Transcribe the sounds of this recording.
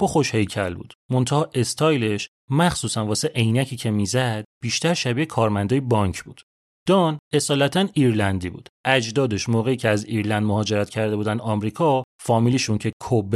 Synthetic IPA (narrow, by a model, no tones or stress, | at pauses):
b̥ɒxo̞ʃhe̞jcʰælbṵːd̪̥mo̞nt̪ʰæhɒːʔe̞st̪ʰɒːjle̞ʃ | mæχsuːsænvɒːse̞ʔejnæcʰiːcʰe̞mizæd̪̥̚b̥iːʃt̪æɾʃæbiːekʰɒːɾmænd̪ɒːjebɒŋcʰbṵːd̪̥ | d̪̥ɒne̞sɒːlæt̪ʰæniːɾlænd̪iːbṵːd̪ʔæd͡ʒd̪ɒːd̪e̞ʃmoːɣe̞iːcʰeæziɾlænd̪moɦɒːd͡ʒe̞ɾæt̪cʰæɾd̪e̞buːd̪ænd̪ɒːmɾiːkʰɒfɒːmiliʃuncʰe̞kʰob